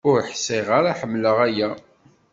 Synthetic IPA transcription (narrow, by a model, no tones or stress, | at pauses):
ʊɾħsɪʁaɾaħəmːləʁæjæ